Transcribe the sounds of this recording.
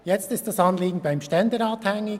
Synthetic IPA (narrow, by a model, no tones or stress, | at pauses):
jɛt͡stɪstd̥ɑsɑnliːɡn̩baɪmʃtɛndəɾɑːthɛŋːɪ